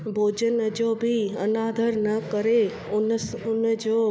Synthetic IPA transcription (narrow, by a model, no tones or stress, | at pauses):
bʱod͡ʒənd͡ʒobʱiənad̪ʱəɾnəkəɾe | ʊnd͡ʒo